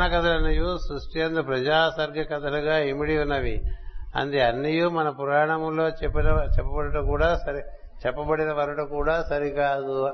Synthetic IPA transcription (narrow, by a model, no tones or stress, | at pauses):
nɐkɐt̪ɐlɐnːɐjusɾusʈijɐnd̪upɾɐd͡ʒaːsɐɾɡʱjɐkɐt̪ɐluɡaːimiɽiunːɐʋiɐ̰nd̪iɐnːijumɐnɐpuɾaːɾɐɳɐmlo̞ːt͡ʃepːinɐt͡ʃɛpːɐbɐɽɐʈukuːɽaːsɐɾi | t͡ʃɛpːɐbɐɽinɐʋɐɾɐʈukuːɽaːsɐɾikaːd̪u